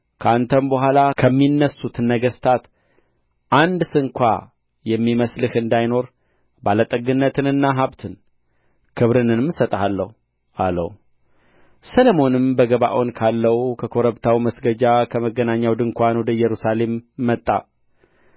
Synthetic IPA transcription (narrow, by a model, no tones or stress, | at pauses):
kʰəant̪ʰənbəhʷalakʰəmːinːəsːut̪nːəɡəst̪ʰat̪ | ʔand̪sɨŋkʷa | jɛmːiməslɨhɨnd̪ajno̞ɾ | balət̪ʼəɡɨnːət̪ʰɨnɨnːaɦaβt̪ʰɨn | kʰɨβɾɨnɨnmsət̪ʼhalːə̰hu | ʔalə̰hu | səlomo̞nɨmbəɡəβa̰ʔonkʰalːəwkʰəkʰo̞ɾəβt̪ʰawiməsɡəd͡ʒakʰəməɡənaɲːawd̪ɨŋkʷanwɔd̪əjɛɾusale̞mːət̪ʼːa̰